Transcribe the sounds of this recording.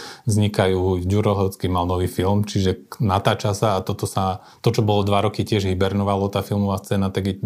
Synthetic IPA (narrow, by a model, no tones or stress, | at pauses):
vzɲikajuːɟuɾɔɦɔʊt͡skimalnɔʋiːfilmt͡ʃiʒɛnat̪aːt͡ʃasaːt̪ɔt̪ɔsa | t̪ɔt͡ʃɔbɔlɔd̪ʋaɾɔkicɪɛʒɦibɛɾnɔʋalɔt̪aːfilmɔʋaːst͡sɛːnat̪aɡi